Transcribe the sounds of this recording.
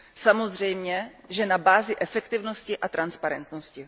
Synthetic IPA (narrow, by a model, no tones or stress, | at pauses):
samozr̝ɛjmɲɛʒɛnabaːzɪʔɛfɛkt̪ɪvnoscɪʔat̪ɾanspaɾɛ̰nt̪noscɪ